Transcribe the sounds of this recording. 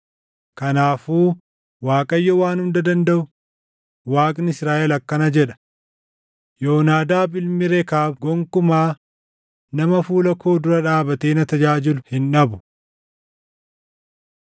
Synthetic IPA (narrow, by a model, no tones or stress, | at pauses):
kɐnaːfuː | waːkʼɐjːɔwaːnʊmd̪ɐd̪ɐnd̪ɐʔʊ | waːkʼnɪsɾaːʔɛlɐkːɐnɐd͡ʒɛᶑɐ̥ | joːnaːd̪aːbɪlmɪɾekaːbɡɔŋkʊmaː | nɐmɐfuːlɐkoːd̪ʊɾɐᶑaːbɐt̪eːnɐt̪ɐd͡ʒaːd͡ʒɪlʊhɪnᶑɐbʊ̥